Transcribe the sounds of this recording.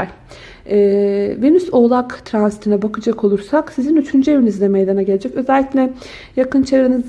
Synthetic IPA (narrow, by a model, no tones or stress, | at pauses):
ɛːvenyso̞lˠakt̪ʰɾanzit̪ʰinɛbakɯd͡ʒakʰo̞lˠuɾsaksizinyt͡ʃʰynd͡ʒɛbiinizd̪ɛmejd̪anaɟe̞lʲed͡ʒɛcø̞zɛælʲːiclʲɛ | jakɯnt͡ʃʰeɾɾɯnɯz